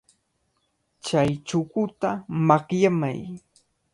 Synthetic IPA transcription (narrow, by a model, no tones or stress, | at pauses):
t͡ʃajt͡ʃʊkʊt̪amakjama̰j